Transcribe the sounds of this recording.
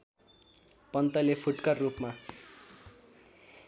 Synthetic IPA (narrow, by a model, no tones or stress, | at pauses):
pʌnt̪ʌlepʰuʈkʌrrupma